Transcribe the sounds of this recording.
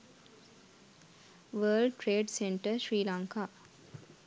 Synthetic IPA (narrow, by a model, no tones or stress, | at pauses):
ʋəːlɖʈɾeːɖseɳʈəʃɾiːlaŋka